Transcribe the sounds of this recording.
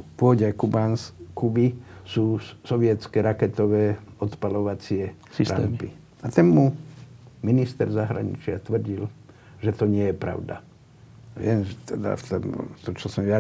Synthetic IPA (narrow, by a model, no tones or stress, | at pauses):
pʊɔɟɛjkubanskubisuːsɔʋɪɛt͡skɛɾakɛt̪ɔʋɛːɔt̪palɔʋat͡sɪɛ | sisɾampi | at̪ɛnmu | minist̪ɛɾzaɦɾa̰ɲḭt͡ʃɪat̪ʋr̩ɟil | ʒɛt̪ɔɲɪɛjɛpɾa̰ʊd̪a̰ | ʋɪɛmʒɛt̪ɛd̪a̰ft̪ɔmt̪ɔt͡ʃɔsɔmʋɪa